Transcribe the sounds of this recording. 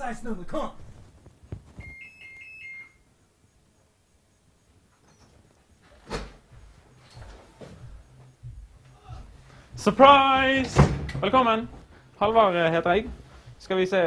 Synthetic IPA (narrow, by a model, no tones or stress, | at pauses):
asnʉ̃md̪əkʰɔm | səpʰɹaɪsʋɛlkɔmːən | hɑlʋɑːʁəheːt̪əʁeːɡskɑʋɪseː